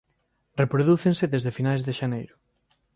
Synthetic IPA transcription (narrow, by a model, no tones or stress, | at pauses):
repɾoðuθenseðezðefinajzðeʃanejɾʊ